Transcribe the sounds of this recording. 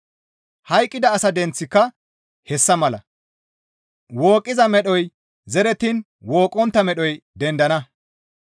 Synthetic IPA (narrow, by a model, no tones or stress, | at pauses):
hɐjkʼːɪd̪ɐːsɐd̪ɛnt͡sːɪkːɐ | hɛsːɐmɐlɐ̰ | woːkʼːɪzɐmɛɗɔj | zɛɾɛt̪in | woːkʼːɔnt̪ːɐmɛɗɔjd̪ɛnd̪ɐnɐ